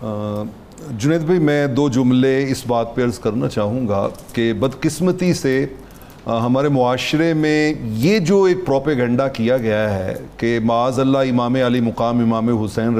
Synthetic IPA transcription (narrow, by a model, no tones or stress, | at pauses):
d͡ʒʊneːt̪̚bʱɐimɛ̃ːd̪oːd͡ʒʊmleɪsbaːt̪̚peɐɾzkɐɾnat͡ʃaːɦũ̆ːɡa̰kebɐd̪qɪsmət̪ise | ɦɐmaːɾemʊaːʃɾemẽjed͡ʒoːeːk̚pɾɔːpəɡə̃ɳɖakijaɡɐjaɦɛ̰kemɐaːzɐlːaɪmaːmeɐlimʊqaːmɪmaːmeɦʊsɛːn